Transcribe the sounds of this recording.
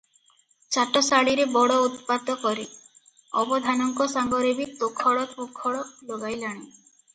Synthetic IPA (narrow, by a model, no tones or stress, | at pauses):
t͡ʃaʈɔsaɽiɾebɔɽɔut̪pad̪ʱɔkɔɾe | ɔbɔd̪ʱanɔŋkɔsaŋɡɔɾebit̪okʰɔɽɔtokʰɔɽɔloɡajlaɽ̃e